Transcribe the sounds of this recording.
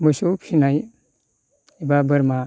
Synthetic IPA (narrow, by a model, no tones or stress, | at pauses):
mɔsuwpʰinaj | ibabəɾma